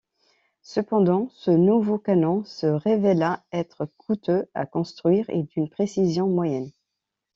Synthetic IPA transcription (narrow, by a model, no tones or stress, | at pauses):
səpɑ̃d̪ɑ̃sənuvokanɔ̃səʁevelaɛt̪χəkʰut̪øa̰kɔ̃st̪χɥiːʁḛd̪ynpχesizjɔ̃mwajɛn